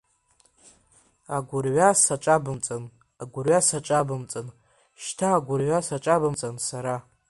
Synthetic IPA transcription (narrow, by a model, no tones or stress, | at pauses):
aɡʷʊrɥasaʈ͡ʂʼabɨmt͡sʼɨn | aɡʷʊrɥasaʈ͡ʂʼabɨmt͡sʼɨn | ʃtʰaːɡʷʊrɥasaʈ͡ʂʼabɨmt͡sʼɨnsaɾa